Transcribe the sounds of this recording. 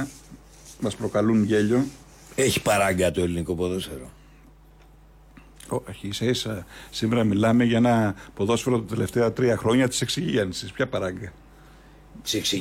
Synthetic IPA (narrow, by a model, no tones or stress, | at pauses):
mɐspɾo̞kɐlunʝe̞ʎo̞ | eçi̥pɐɾɐŋɡɐt̪oeliniko̞poðo̞sfeɾo | oçisɐisɐsime̞ɾɐmilɐme̞ʝɐenɐpo̞ðo̞sfe̞ɾot̪ɐt̪e̞le̞ft̪e̞ɐt̪ɾiɐxɾo̞ɲɐt̪i̥se̞ksiʝienisispçɐpɐɾɐŋɡɐ | t̪i̥seksi